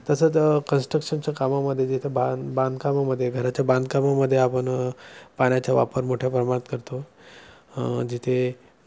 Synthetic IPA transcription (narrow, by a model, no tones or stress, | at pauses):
t̪əsət͡skənsʈɾəkʂənt͡ɕjakamaməd̪ʱːjed͡ʑit̪ʰjababãnd̪kamaməd̪ʱːjeɡʱəɾat͡ɕjabãnd̪kamaməd̪ʱːjeapəɳpaɽ̃jat͡ɕjaʋa̰pəɾmoʈʰjapɾəmaɽit̪kəɾt̪o | d͡ʑit̪ʰe